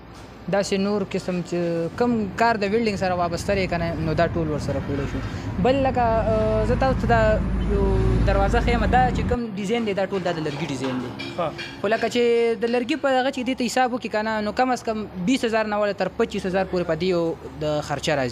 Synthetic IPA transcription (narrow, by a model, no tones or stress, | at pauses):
d̪ɑsenoɾkɪsəmt͡ʃekəmkɑɾd̪əbɪlɖɪŋɡsaɾawɑbast̪alekananod̪ɑʈolwəɾsaɾapoleʃubəlːakazət̪ɑsot̪ad̪ɑjod̪aɾwɑzaxajəmad̪ɑt͡ʃekəmɖɪzajnd̪ed̪ɑʈold̪ɑd̪əlaɾɡiɖɪzajnd̪exolakat͡ʃed̪əlaɾɡipəd̪aɣat͡ʃed̪et̪ahɪsɑbʊkikananokamaskambishazɑɾnawalat̪əɾpat͡ʃishazɑɾpoɾepəd̪ejad̪əxaɾt͡ʃaɾazi